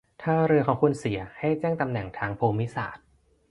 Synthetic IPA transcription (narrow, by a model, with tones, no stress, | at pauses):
t̪ʰaː˥˩ɾɯ˧əkʰɔː˩˦ŋkʰu˧nsi˨˩˦ɐha˥˩jt͡ɕɛː˥˩ŋt̪a˧mnɛ˨˩ŋt̪ʰaː˧ŋpʰoː˧mi˦˥sa̰ː˨˩t̪̚